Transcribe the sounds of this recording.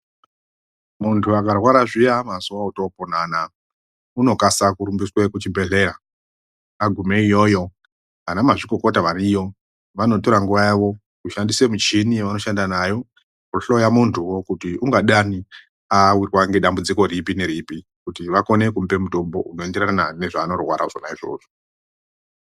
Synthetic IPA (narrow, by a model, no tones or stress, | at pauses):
muntʰuakarwaɾaʐijamazuwauto̞ponana | uno̞kasakuɾumbiswekut͡ʃibʱe̞ɮe̞ɾa | aɡʱumeijo̞jo̞ | ʋanamaʐiko̞kotaʋaɾijo̞ | ʋano̞to̞ɾaŋɡuʋajaʋo̞ | kuʃandise̞mut͡ʃiniʋano̞ʃandanajo̞ | kuɬo̞jamuntʰuwo̞kutiuŋɡaɗani | awirwaŋɡeɗambud͡ziko̞ɾipine̞ɾipi | kutiʋako̞ne̞kumbe̞muto̞mbo̞ʔuno̞endeɾaanane̞ʐaːno̞rwa̰ɾa̰ʐonaʐiro̰ːʐo